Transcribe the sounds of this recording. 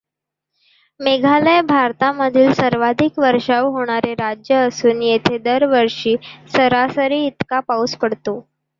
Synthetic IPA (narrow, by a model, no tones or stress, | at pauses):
meɡʱaləjbʱaɾt̪aməd̪ʱiːlsəɾʋad̪ʱikʋəɾʂaʋɦoɽ̃aɾeɾad͡ʑjəːsuːnjet̪ʰed̪əɾʋəɾʂiːsəɾasəɾiːt̪kapauspəɽt̪o